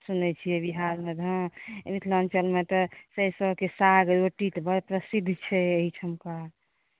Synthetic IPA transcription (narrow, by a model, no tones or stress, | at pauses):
sunɛt͡ʃʰijɛbiɦaɾmed̪ʱãmit̪ʰlənt͡ʃəlmet̪ɔsəjsəbkesaɡɾoʈit̪bəpɾəsid̪ʱːt͡ʃʰɛeɦit͡ʃʰəmka